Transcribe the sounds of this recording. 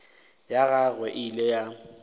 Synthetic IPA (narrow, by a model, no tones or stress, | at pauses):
jaɣaɣwɛʔɪleja